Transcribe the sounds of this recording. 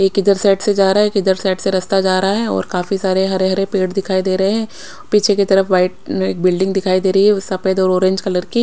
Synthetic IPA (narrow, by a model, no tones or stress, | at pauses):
eːkɪd̪əɾsɛːʈsed͡ʒaːɾaeːkɪd̪əɾsɛːʈseɾɐst̪ad͡ʒaːɾɐɦaɦɛɔ̰ːɾkaːfisaːɾeɦɐɾeɦɐɾepeːʈd̪ɪkʰaːid̪eːɾɐɦeɦɛ̃ː | piːt͡ʃʰeket̪ɐɾəfʋaːɪʈmẽeːk̚bɪlɖɪ̃ŋɡd̪ɪkʰaːid̪eːɾəiɦɛsɐpeːd̪ɔːɾɔːɾẽɲd͡ʒkɐləɾki